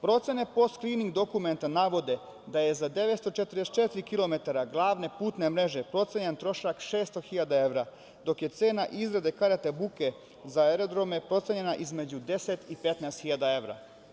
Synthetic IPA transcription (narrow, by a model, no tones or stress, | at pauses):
pɾo̞t̪se̞ne̞po̞st̪kɾiːniŋɡd̪o̞kument̪anaʋo̞d̪e̞ | d̪aje̞zad̪e̞ʋet̪st̪ot͡ʃet̪ɾd̪eset͡ʃet̪iɾikilo̞me̞t̪aɾaɡlˠaːʋne̞puːt̪ne̞mɾe̞ʒepɾo̞t̪seɲent̪ɾo̞ʃakʃe̞ːst̪oxiʎad̪ae̞ʋɾa | d̪o̞kje̞t̪se̞ːnaʔizɾad̪ekaɾat̪ebuke̞ | zaeɾo̞d̪ɾo̞me̞pɾo̞t̪se̞ɲe̞naʔizme̞d͡ʑud̪e̞set̪ipe̞t̪naːst̪xiʎad̪ae̞ʋɾa̰